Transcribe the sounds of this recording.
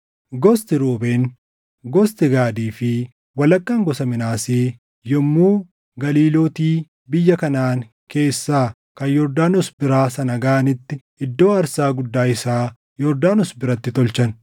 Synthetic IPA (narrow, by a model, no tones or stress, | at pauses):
ɡɔst̪ɪɾoːbeːn | ɡɔst̪ɪɡaːd̪iːfɪ | wɐlɐkːɐŋɡɔsɐmɪnaːseː | jɔmːuː | ɡɐliːloːt̪iː | bɪjːɐkɐnaːŋ | ke̞ːsːaː | kɐjjɔɾd̪aːnʊsbɪɾaːsɐnɐɡaːʔɐnɪt̪ːɪ | ɪd̪ːo̞ːɐɾsaːɡʊd̪ːaːɪsaː | jɔɾd̪aːnɔsbɪɾɐt̪ːɪt̪ɔlt͡ʃɐn